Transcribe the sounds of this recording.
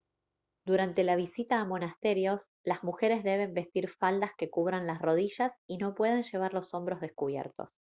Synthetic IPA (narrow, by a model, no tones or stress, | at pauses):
d̪̥uɾant̪e̞laβ̞isit̪aːmo̞nast̪e̞ɾjo̞s | lazmuxe̞ɾe̞zðe̞β̞e̞mbe̞st̪iɾfald̪aske̞kuβ̞ɾanlasro̞ð̞iʒasino̞pwe̞ð̞e̞nʒe̞β̞aɾlo̞so̞mbɾo̞zðe̞skuβjḛɾt̪o̞̰s